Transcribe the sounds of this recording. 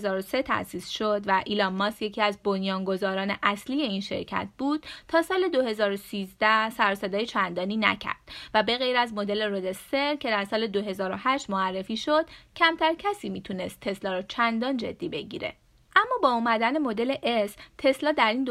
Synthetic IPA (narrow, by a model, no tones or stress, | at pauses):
zɒːɾose̞t̪ʰæ̰siːsʃod̪væʔilɒmːɒsjecʰiːæzbonjɒːŋɡo̞zɒːɾɒːne̞ʔæsliːje̞iːnʃe̞̰ɾcʰæ̰t̪̚ʰb̥uːd̪̥t̪ʰɒːsɒːle̞d̪oɦe̞zɒːɾosiːzd̪æhsæɾosed̪ɒːjet͡ʃʰænd̪ɒːniːnæ̰cʰæ̰ɾd̪̥væbe̞ɣejɾæzmod̪e̞leɾod̪eseɾcʰe̞d̪æɾsɒːle̞d̪oɦe̞zɒːɾo̞hæʃt̪moærːefiːʃo̞d̪̥cʰæmt̪ʰæɾcʰæsiːmiːt̪ʰune̞st̪ʰːe̞slɒːɾɔt͡ʃʰænd̪ɒːnd͡ʒe̞̰d̪ːiːbe̞ɟḭɾe̞̰ | ʔæmːɒːbɒːumæd̪æne̞mo̞d̪e̞le̞ʔest̪ʰe̞slɒːd̪æɾiːnd̪